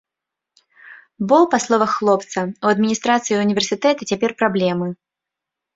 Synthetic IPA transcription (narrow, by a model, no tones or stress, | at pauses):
bɔpaslˠɔvɐxːlˠɔpt̪sɐuɐd̪mʲinʲist̪ɾat̪sɨjiunʲivʲɛrsʲɨt̪ɛt̪ɨt͡sʲapʲɛrpɾablʲɛmɨ